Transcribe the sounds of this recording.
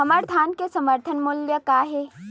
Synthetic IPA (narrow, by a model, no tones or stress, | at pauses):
ɦɐməɾd̪ʱaːnkesɐməɾt̪ʰənmʊljəkaːɦe